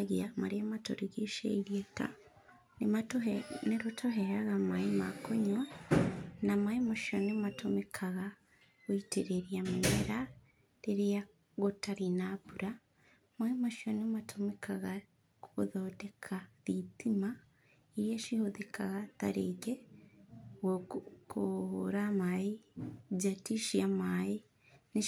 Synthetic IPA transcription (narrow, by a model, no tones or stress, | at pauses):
ɣiamaɾeamato̰ɾiɡeʃḛiɾieka̰ | nemaneɾotʰoɦeɾaɣamaima̰koɲwa | namaimoʃionematʰomekʰaɣa | ɣoiteɾeɾjamumeɾa | ɾeɾeja | ɣotaɾinaβuɾa | maimoʃionematʰomikʰaɣa | koɣoðodekʰaðitima | iɾieʃihoðikʰaɣataɾḛɡe | wokʰohoɾamaizatiʃiamai | ni